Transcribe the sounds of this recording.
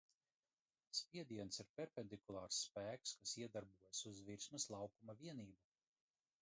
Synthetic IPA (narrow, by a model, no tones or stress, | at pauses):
spʲiɛd̪iɛnsiɾpʲɛɾpʲend̪ikulˠɑːɾsːpæːkskasiɛd̪aɾbuɔjasuzviɾsmɐslˠɑwkumaviɛniːbu